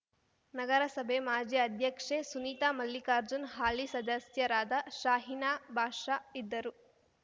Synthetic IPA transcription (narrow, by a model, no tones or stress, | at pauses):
nɐɡɐɾɐsɐbʱemaːd͡ʒjɐɐd̪ʱjɐkʂesuniːt̪aːmɐlːikaːɾd͡ʒunɦaːlisɐd̪ɐsjɐɾaːd̪ɐʃaːɦinaːbʱaːʂaid̪ːɐɾu